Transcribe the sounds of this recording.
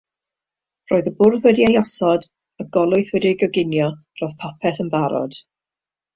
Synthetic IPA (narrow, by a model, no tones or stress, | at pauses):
roːɨðəbʊrðwɛdiejɔsɔd | əɡɔlˠʊɨθwɛdiɡɔɡɪnjɔ | roð̥pʰapʰɛθənbaɾɔ̰d̥